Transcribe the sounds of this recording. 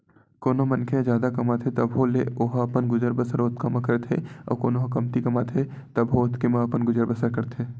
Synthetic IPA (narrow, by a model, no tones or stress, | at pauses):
koːnomɐnkʰed͡ʒjaːd̪akɐmaːt̪ʰet̪ɐbɦolḛoɦɐpənɡʊd͡ʒəɾbəsəɾot̪ʰkəmakɐɾt̪ʰḛɔ̰ːkoːnoɦokɐmt̪ikɐmaːt̪ʰe | t̪ɐbɦoːt̪kemaɐpənɡʊd͡ʒəɾbəsəɾkɐɾt̪ʰeː